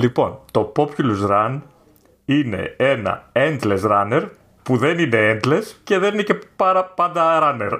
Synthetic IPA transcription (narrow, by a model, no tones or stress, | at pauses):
lipo̞nt̪o̞po̞pçuluzɾɐn | ine̞̰e̞nɐ̰end̪le̞sɾɐne̞ɾ | puðe̞nine̞end̪le̞sce̞ðeninece̞pɐɾɐpɐnd̪ɐɾɐne̞ɾ